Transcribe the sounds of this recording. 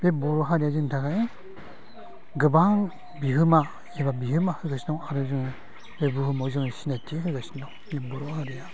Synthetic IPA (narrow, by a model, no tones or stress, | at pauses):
b̥ebɔɾɔɦaɾijazɯŋtʰaɡai | ɡɯbaŋ | biɦɯma | eβabihɯmahɯɡasinɔŋaɾɯzɯŋɯ | bebuhɯmɔzɯŋsinatʰiɦɯɡasindɔŋmebɔɾɔhaɾija